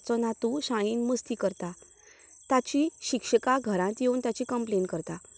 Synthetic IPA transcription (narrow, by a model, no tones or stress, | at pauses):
t͡sɔnat̪uɕajiːnməst̪iːkəɾt̪a | t̪at͡ɕiɕikʂəkaɡʱəɾãt̪jeuːnt̪jat͡ɕikəmplenkəɾt̪a